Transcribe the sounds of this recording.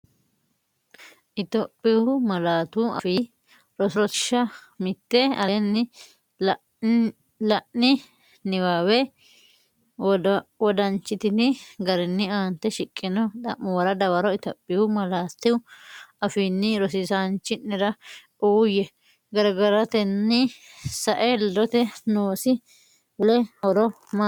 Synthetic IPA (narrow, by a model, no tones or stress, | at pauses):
ʔɪt̪ɔpʼːɪwʊmɐlaːt̪uɐ̰fiː | ɾɔsɾɔtɪ̥ʃɐmɪt̪ːɛɐnːɪ | lɐʔnɪ | nɪwaːwɛ | wɔd̪ɐnt͡ʃːɪt̪ɪd̪ɪɡɐɾɪnːɪaːnt̪ːɛʃɪkʼːɪnɔd̪ɐmːɔwɐɾɐd̪ɐwɐɾɔɪt̪ɔpʼːɪʊmɐlaːt̪ːɪwʊɐfiːnːɪɾɔsɪsant͡ʃːɪnːɪɾɐ | uːjɛ | ɡɐɾɡɐɾɐt̪ɛnːɪsɐʔɛlːɔt̪ɛnoːsɪ | wʊlɛɔɾɔ | ma